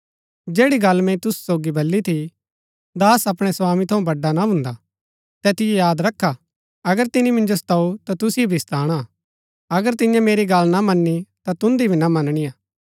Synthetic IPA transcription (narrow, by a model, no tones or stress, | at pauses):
d͡ʒeːɽiɡɐlːmɛ̃ĩt̪ʊsu̥soːɡibʱɐlːit̪ʰi | d̪aːsɐpɽ̃esaːmĩt̪ʰɐũbɐɖːanaɦʊ̃ːnd̪a | t̪ɛt̪ɪjejaːd̪ɾɐkʰːa | ɐɡəɾt̪ɪnimɪ̃nd͡ʒosɐ̥t̪aːut̪at̪ʊsiobʱist̪aːɽ̃a | ɐɡəɾt̪ɪ̃jãmeːɾiɡɐlnamɐnːit̪at̪ʊ̃nd̪ibʱinamɐnɽ̃iaː